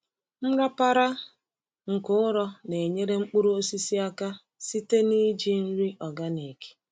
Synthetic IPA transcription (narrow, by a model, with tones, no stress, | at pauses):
m̩˦ɾa˦pa˦ɾa˦ | ŋ̩˨kʊ˦ʊ˦ɾɔ˦ne˨ɲe˦ɾe˦ŋ͡m̩˦k͡pu˦ɾu˦o˦si˦si˦a˦ka˦ | si˦te˦ni˦d͡ʒi˦n̩˦ɾi˦ʔɔ˨ɡa˦ne˨ke̥˨